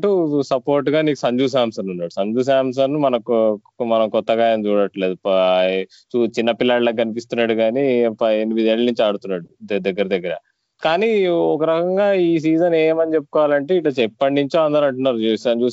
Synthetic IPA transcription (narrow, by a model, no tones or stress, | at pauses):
ɐʈusɐpo̞ːɾʈːuɡaːniːku̥sɐɲd͡ʒuːs̬aːmsɐnunːaːɽusɐɲd͡ʒuːs̬aːms̬ɐnumɐnɐku | mɐnɐmkɔt̪ːɐɡaːjmt͡ʃuːɽɐʈle̞ːd̪u | t͡ʃut͡ʃinːɐpilːaːɽlɐkɡɐnipist̪unːaːɽuɡaːnipɐnimid̪eːɭnuɲt͡ʃaːɽut̪unːaːɽud̪ɐɡːɐɾɐd̪ɐɡːɐɾɐ̰ | kaːniːɔkɐɾɐkɐŋɡaːiːs̬iːd͡ʒɐneːmɐnit͡ʃe̞pːu̥kɔːʋaːlɐɳʈe̞ːiʈlɐt͡ʃɛpːɐɳːiɲt͡ʃoːɐnd̪ɐɾɐɳʈunːaːɾuesɐɲd͡ʒuː